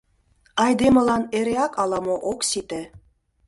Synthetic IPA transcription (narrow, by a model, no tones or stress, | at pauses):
ɑjd̪emɤ̆lɑneɾeɑkɑlˠɑmoʔoksit̪ĕ